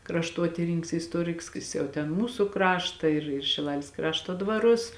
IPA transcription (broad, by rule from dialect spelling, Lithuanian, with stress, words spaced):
krɐʃˈtuɔtʲiːrʲɪnʲɪŋks ɪ ɪsˈtuɔrʲɪks ˈjɪs jɛʊ tʲɛn ˈmuːsʊ ˈkrɑːʃtɐ ɪr ɪr ʃʲɪˈlˠɑːlʲeːs ˈkrɑːʃtoː dʋɐˈrʊs